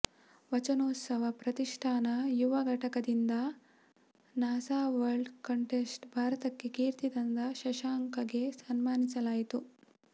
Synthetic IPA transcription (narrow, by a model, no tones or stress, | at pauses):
ʋɐt͡ʃɐnoːt̪sɐʋɐpɾɐt̪iʂʈʰaːnɐjuʋɐɡʱɐʈɐkɐd̪ind̪ɐ | naːsaːʋɐɾɖkɐɳʈesʈbʱaːɾɐt̪ɐkːekiːɾt̪id̪ɐnd̪ɐʃɐʃaːŋkɐɡesɐnmaːnisɐlaːjit̪u